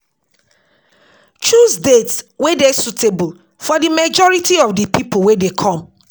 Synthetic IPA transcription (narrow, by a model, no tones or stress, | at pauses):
t͡ʃusdetswedesutebul | fɔdimad͡ʒɔɹitiɔfdipʰipowedekʰɔ̃m